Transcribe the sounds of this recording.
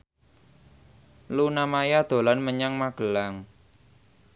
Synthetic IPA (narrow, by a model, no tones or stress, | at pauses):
lunamajad̪̥o̤lanməɲaŋmaɡ̥ə̤laŋ